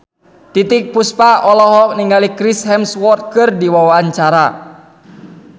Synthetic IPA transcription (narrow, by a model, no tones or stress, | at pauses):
t̪it̪ɪk̚puspaʔɔlɔɦɔk̚niŋɡalikɾishɛmswɔt̪̚kɨrdiwawaːnt͡ʃaɾa